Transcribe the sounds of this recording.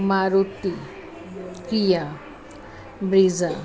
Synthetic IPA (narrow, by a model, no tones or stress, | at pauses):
maɾut̪ːi | kija | bɾiza